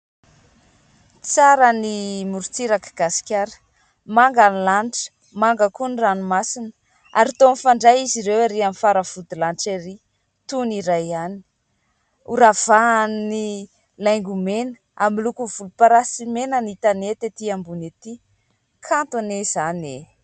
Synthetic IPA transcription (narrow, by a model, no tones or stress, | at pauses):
t͡saɾənimuɾt͡siɾakɡ̥asi̥kʲaɾə̥ | maŋɡanilanʈ͡ʂə̥ | maŋɡəkuniranumasinə̥ | aɾit̪omifaɳɖ͡ʐajiziɾewaɾiamifaɾəv̥ud̪ilanʈ͡ʂeɾi | t̪uniɾajani̥ | uɾav̥ani | lajŋɡumenə̥ | amilukuvulupaɾasimenənit̪anet̪et̪iambunet̪i | kʰant̪onez̥ane